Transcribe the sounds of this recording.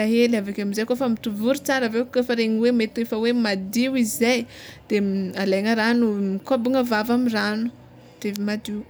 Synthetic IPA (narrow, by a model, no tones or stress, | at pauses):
aɦelavakʲamizajkofəmit̪uvuɾut͡saɾəvewkefəɾeɲiwemet̪efəwemad̪iwizajd̪̥ealeŋəɾanumikabuŋəvavamiranu̥ | d̪̥evimad̪iw